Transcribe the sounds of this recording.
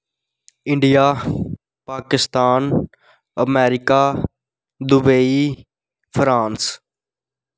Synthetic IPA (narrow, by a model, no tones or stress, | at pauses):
ɪ̃ɳɖijaː | paːkɪst̪aːn | əmɛːɾɪkaː | d̪ʊbəiː | pʰɾãːns